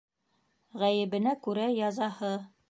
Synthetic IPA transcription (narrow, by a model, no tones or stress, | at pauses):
ʁæjɘ̆βɘ̆nækʉɾæjɑzɑhɤ